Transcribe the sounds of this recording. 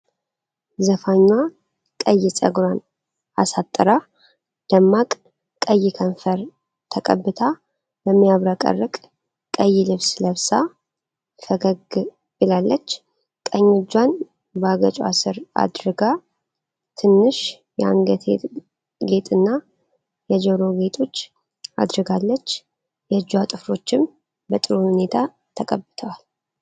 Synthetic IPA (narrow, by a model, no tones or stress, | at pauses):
zəfaɲːa | kʼəjɪsʼə̰ɡɾan | a̰sat̪ʼːɨɾa | d̪̥əmːakʼ | kʼəjːɪkʰəɱfəɾ | t̪ʰəkʼə̰bːɨt̪ʰa | bəmːijaβɾakʼə̰rːɨkʼ | kʼəjːilɨβsləβsa | fəɡəɡ | bɨlalːət͡ʃː | kʼəɲːɪd͡ʒːan | baɡət͡ʃʼa̰sɨɾa̰d̪ɾɨɡa | t̪ʰɨnːɨʃ | jɛa̰nɡət̪ʰe | ɡe̞t̪ʼɨnːa | jɛd͡ʒəɾo̞ɡe̞t̪ʰo̞t͡ʃː | a̰d̪ɾɨɡalːət͡ʃː | jɛd͡ʒːwat̪ʼɨfɾo̞t͡ʃːɪm | bət̪ʼɨɾuhune̞t̪ʰa | t̪ʰəkʼəbːɨt̪ʰəwal